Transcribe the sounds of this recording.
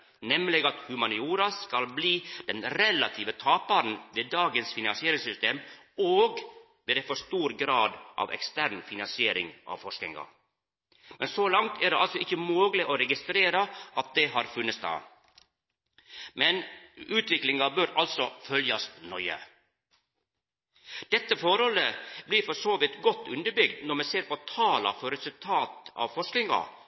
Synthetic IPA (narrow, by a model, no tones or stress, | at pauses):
nɛmlɛɡɑt̪hʉmɑnɪuːɾɑskɑlbliːd̪̥ɛnɾɛlɑt̪ʰiːʋət̪ʰɑːpɑɾn̩ʋeːd̪ɑːɡənsfɪnɑnsɪeːɾɪŋsʏst̪eːm | oːɡ | ʋeːd̪ɛfɔʂt̪uːɾɡɾɑːd̪ʔɑ̰ːʋɛ̰kst̪æɾnfɪnɑnsɪeːɾɪ̰ŋʔɑ̰ːʋfɔʂknɪŋɑ̰ | mɛnsoːlɑŋt̪ʰæɖɛ̰ɑlsɔɪçːəmoːɡlɪʔoːɾɛɡɪst̪ɾeːɾɑʔɑt̪̚d̪ɛɦɑːɾfʉnːəsd̪ɑ̰ː | mɛnʉːt̪ʰʋɪklɪŋɑbøːɾɑlsɔfœljɑsnœʏə̰ | d̪̥ɛt̪ːəfɔɾhɔləbliːɾfɔʂoːʋɪt̪ɡɔt̪ːʉnd̪əɾbʏɡd̪nɔɾmɛseːɾpɔt̪ʰɑːlɑ̰fɔɾɛsʉlt̪ʰɑːt̪ɑ̰ːʋfɔʂknɪŋɑ̰